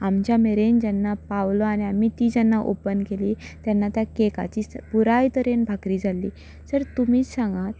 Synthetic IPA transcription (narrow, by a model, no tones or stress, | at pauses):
amt͡ɕjameɾend͡ʑanːapaʋloañiamit̪iːd͡ʑanːaʔopənkeliːt̪janːat̪jakeka̰t͡ɕiːspuɾajt̪əɾenbʱakɾiːd͡zʱalːiː | səɾt̪um̤iːt͡ssãŋɡat̪̚